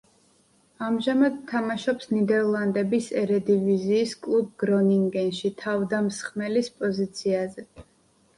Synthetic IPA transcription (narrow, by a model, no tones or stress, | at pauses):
amʒamad̪t̪ʰamaʃɔpsnid̪ɛɾlˠand̪ɛbisɛɾɛd̪iviziːskʼlˠub̚ɡɾɔniŋɡɛnʃit̪ʰavd̪amsχmɛlispʼɔzit̪sʰiazɛ